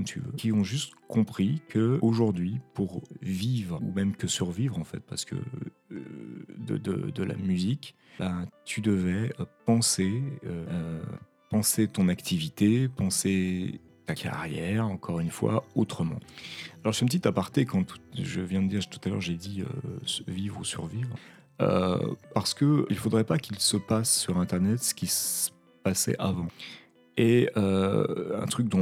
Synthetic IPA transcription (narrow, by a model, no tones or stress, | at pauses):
kɔmt̪ʰy̰vø̰kʲiɔ̃ʒyst̪kɔ̃pχikʰəoʒuʁd̪ɥipuʁvivʁumɛmkəsyʁvivʁɑ̃fɛ̰t̪̚paʁsə̥kʰə̰ | d̪ə̰d̪ə̰d̪əla̰myzik | bat̪ʰyd̪əvɛpɑ̃seøø | pɑ̃set̪ɔ̃nakt̪ʰivit̪epɑ̃se | t̪akʰa̰ʁjɛʁɑ̃kʰɔʁynfwa̰ot̪χəmɑ̰̃alɔʁsyɛ̃p̬ət̪it̪apaʁt̪ekɑ̃t̪ʰu̥ʒəvjɛ̃d̪əd̪iʁʒt̪u̥t̪alœ̰ʁʒed̪iø̰vivʁusy̰ʁvivʁə | ø̰paʁsə̥kəilfod̪ʁɛpakʲilsəpasːyʁɛ̃t̪ɛʁnɛt̪sə̥kʲisə̥ | pasɛ̰ʔavɑ̃ | eøɛ̰̃t̪χyk̚d̪ɔ̃